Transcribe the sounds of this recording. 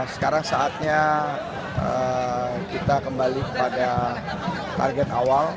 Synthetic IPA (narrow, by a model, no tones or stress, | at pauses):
sə̥kaɾaŋsaːt̪̚ɲa | ə | kit̪akəmbalikəpada | t̪a̰rɡɛt̪awal